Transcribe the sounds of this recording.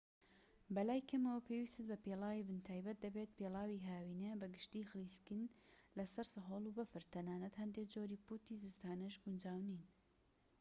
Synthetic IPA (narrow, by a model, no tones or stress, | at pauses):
bɐlaːjkʰɐmɐwɐpʰewiːst̪ɨt̪̚bɐpeːlaːwibɨnt̪ʰaːjbɐt̪̚d̪ɐbeːt̪̚pʰeːlaːwiːɦaːwiːnebɐɡɨʃt̪iːxɨliːskɨnlɐsɐɾsɨɦoːlˠubɐfɨɾt̪ʰɐnaːnɐt̪hɐnd̪eːkd͡ʒoːɾiːput̪iːzɨst̪aːnɨʃɡund͡ʒaːwniːn